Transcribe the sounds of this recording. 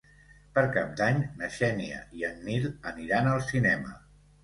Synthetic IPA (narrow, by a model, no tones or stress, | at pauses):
pəɾkap̚d̪aɲnəʃɛniə̰ʔiənːiləniɾanəlˠsinɛmə